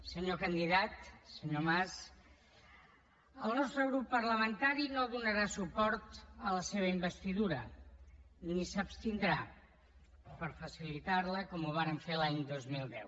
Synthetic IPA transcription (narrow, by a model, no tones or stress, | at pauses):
səɲokənd̪iðat̪səɲomas | əlˠnɔst̪ɾəɣ̞ɾupːəɾləmənt̪aɾinoðunəɾasupɔɾt̪ələseβəimbəst̪iðuɾə | nisəpst̪ind̪ɾa | pəɾfəsilit̪aɾləkɔmuβaɾəɱfelaɲd̪ozmilˠd̪ɛw